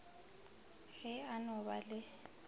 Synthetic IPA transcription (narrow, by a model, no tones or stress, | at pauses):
ɣɪanʊbalɪ